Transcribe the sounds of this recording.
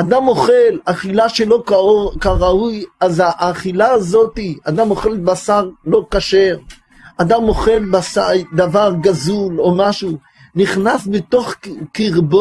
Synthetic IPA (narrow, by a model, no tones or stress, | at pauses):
ad̪amo̞χe̞laχilaʃelo̞kaokaʁaujazaʔːχilaːzo̞t̪iad̪amoχe̞lbasaʁlo̞kaʃe̞ʁ | ad̪amo̞χe̞lbasad̪avaʁɡazulo̞maʃu | niχnasbet̪o̞χkiʁbo